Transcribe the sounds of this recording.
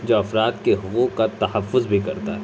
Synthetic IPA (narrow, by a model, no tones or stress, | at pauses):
d͡ʒoːɐfɾaːt̪keɦʊkukat̪ɐhɐfːʊzbʱikɐɾt̪a̰ɦɛː